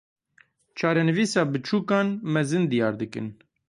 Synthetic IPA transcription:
t͡ʃʰɑːɾɛnɨviːsɑːbɨt͡ʃʰuːkɑːnmɛzɨnd̪ijɑːɾd̪ɨkɨ̰n

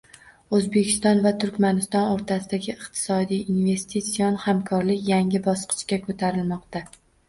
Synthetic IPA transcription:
ɵzbekʲɪ̥st̪ɒnvat̪ʰʊɾkʲmanɪst̪ɒnoɾt̪ʰasɪd̪aɡʲɪɪqt̪ʰɪ̥sɒd̪ijinve̞st̪it̪sijɒnhamkʰɒɾlɪkʲjaŋɪbɒsqʰɨ̥t͡ʃkʲakʰɵt̪ʰaɾɪlmɒqt̪a

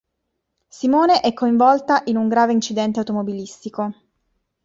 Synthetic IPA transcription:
simoːneʔɛkːoiɱvɔlt̪aʔinuŋɡɾaːveint͡ʃid̪ɛnt̪eawt̪omobilist̪iko

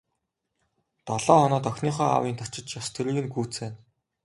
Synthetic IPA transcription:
t̪ɔɮɔːɔnɔːt̪œxʲniːχœːa̰wiːnt̪ʰɔr̥t͡ɕɪ̆t͡ɕjɔst̪ʰɵɾiːɣɘ̆nɡuːt͡seːn

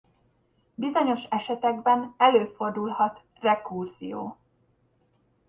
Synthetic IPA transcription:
bizo̞ɲo̞ʃɛʃɛt̪ɛɡbɛnɛløːfo̞rd̪ulhɒt̪ | rɛkurzḭjo̰ː

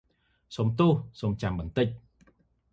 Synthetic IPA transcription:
soːmt̪ʊhsoːmt͡ɕamɓɑnt̪ɨc̚

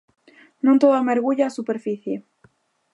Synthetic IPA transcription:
nõnt̪oðameɾɣuʎaːsupe̞ɾfiθje

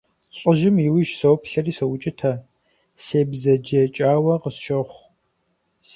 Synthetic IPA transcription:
ɕʼəʒɪmiwɪʒsowpɬɐriːsɐwʊt͡ʃʼɪtʰɐ | seːbzɐd͡ʒɛt͡ʃʼaːwɐqəsʃɐχʷ

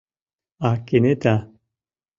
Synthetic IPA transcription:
akenet̪a

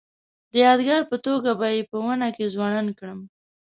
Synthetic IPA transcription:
d̪əjɑd̪ɡaɾpət̪oɡabɑjepəwənakezwɑnɑnkɽəm

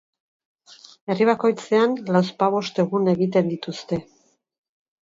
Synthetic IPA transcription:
e̞riβ̞ako̞jt͡se̞anlawspaβ̞o̞st̪e̞ɣune̞ɣit̪e̞nd̪it̪ust̪e̞

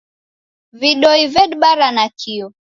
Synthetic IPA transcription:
viɗɔivɛɗɓaɾanakʰiɔ

